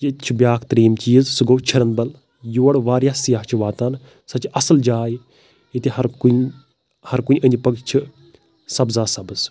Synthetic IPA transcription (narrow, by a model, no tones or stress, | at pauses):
jit͡ʃʰibʲjaːkʰt̪ɾeːmt͡ʃiːzsɨɡoːt͡ʃʰɐɾənbɐl | juːɐɽʋaːɾjaːsijaːɦt͡ʃʰiʋaːt̪an | sɐt͡ʃɐsəld͡ʒaːj | it̪ehɐɾkun | hɐɾkunʲʔənʲd͡ʒpɐɡt͡ʃʰi | sɐbzaːsɐbəz